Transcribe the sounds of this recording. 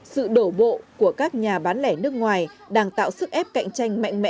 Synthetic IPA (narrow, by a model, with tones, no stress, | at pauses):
sɨ̰˧˨ɗo˧˩ɓo̰˧˨ku˧˩əkaː˦˥k̚ɲaː˨˩ɓaː˨˦nlɛ˧˩nɨ˦˥ək̚ŋwaː˨˩jɗaː˧ŋt̪a̰ː˧˨wsɨ˦˥k̚ʔɛ˦˥p̚ka̰˧˨jŋ̟t͡ɕa˧jŋ̟ma̰˧˨jŋ̟mɛ̰˧˥